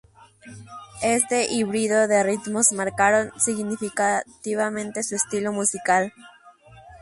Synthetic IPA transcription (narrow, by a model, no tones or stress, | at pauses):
e̞st̪e̞ʔiβɾiðoðe̞rit̪mo̞zmaɾkaɾonsiɣnifikat̪iβamẽ̞nt̪e̞suest̪ilo̞musikal